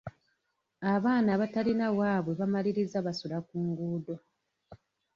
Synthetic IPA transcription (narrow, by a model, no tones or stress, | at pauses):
aβaːnaβatalinawaːβwe̞βamaliɾizaβasulakuːŋɡuːdo̞